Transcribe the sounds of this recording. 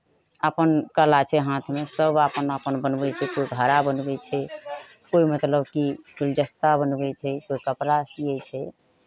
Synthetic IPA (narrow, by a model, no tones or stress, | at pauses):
əpənkəlat͡ʃʰɛɦãt̪ʰmesəbapənəpənbənbɛt͡ʃʰɛkoiɡʱəɾabənbɛt͡ʃʰɛ | koimət̪ləbkikuld͡ʒəst̪abənbɛt͡ʃʰɛkoikəpɾasijɛt͡ʃʰɛ